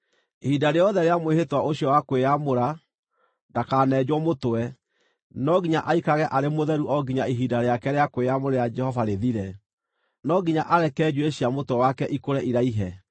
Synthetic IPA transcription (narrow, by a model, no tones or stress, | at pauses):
hidaɾejɔðɛɾeamwehetwaʔoɕiɔwakwejamoɾa | ndakaːnɛːd͡ʑwɔmotoɛ | nɔɡiɲaʔaikaɣɛʔaɾemoðɛɾuʔɔɡiɲaiɦidaɾeakɛɾeakwejamoɾejad͡ʒɛhɔvaɾeðiɾɛ | nɔɡiɲaʔaɾɛkɛd͡ʑueɕiamotwɛwakɛʔikoɾɛʔiɾaiɦɛ